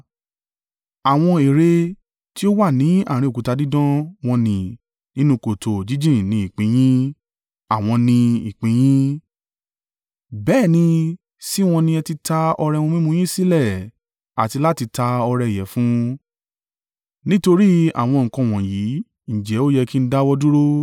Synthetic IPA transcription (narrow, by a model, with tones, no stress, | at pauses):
a˨w̃ɔ̃˧e˨ɾe˧ | ti˦o˦wa˦˨nĩ˨˦a̰˦˨ɾ̃ĩ˧o˨ku˨˦ta˧di˦dɔ̃˦w̃ɔ̃˧nĩ˧ | nĩ˦nũ˧˦ko˨to˨d͡ʒi˦d͡ʒĩ˦˨nĩ˧˦i˨k͡pĩ˨˦j̃ĩ˦ | a˨w̃ɔ̃˧nĩ˧i˨k͡pĩ˨˦j̃ĩ˦ | bɛː˦˨nĩ˧ | si˦w̃ɔ̃˧nĩ˧ɛ˧ti˧ta˧ɔ˧ɾɛ˧wɔ̃˧m˦ĩ˦mũ˧j̃ĩ˦si˦lɛ˦˨ | a̰˨ti˧la˦ti˧ta˧ɔ˧ɾɛ˧˨jɛ̰˨˦fũ˦ | nĩ˦to˧ɾi˦a̰˨w̃ɔ̃˧ŋ̩˨kɔ̃˧˨w̃ɔ̃˨ji˨˦ | ñ̩˨d͡ʒɛ˨˦o˦jɛ˧ki˦n̩˦da˦wɔ˦du˦ɾo˦